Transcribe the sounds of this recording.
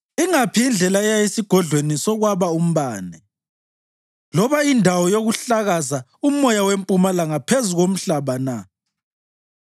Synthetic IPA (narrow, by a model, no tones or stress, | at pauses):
iŋapʰiind͡ɮʱɛlaɛjaesiɡ̥ʱɔɮʱwenisɔɣwaβaum̩βaːnɛ | lɔβaindʱawɔjoɣuɬaɣazaumɔjawempʼumalaŋapʰezuɣom̩ɬaβana